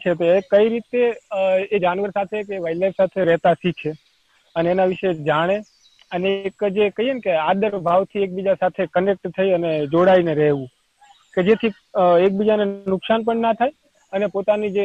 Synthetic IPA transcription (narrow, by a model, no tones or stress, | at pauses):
t͡ʃʰet̪oekəiɾit̪eed͡ʒanʋəɾsat̪ʰekeʋajlajfsat̪ʰeɾɛɦt̪asit͡ʃʰe | əneːnaʋiʃed͡ʒaɽ̃e | əneːkd͡ʒekəjenkead̪əɾbʱaʋt̪ʰiek̚bid͡ʒasat̪ʰekənek̚ʈt̪ʰːəiəned͡ʒoɽaineɾɛɦʋũ | ked͡ʒet̪ʰi | ek̚bid͡ʒanenʊksanp̬əɳnat̪ʰae | ənepot̪anid͡ʒe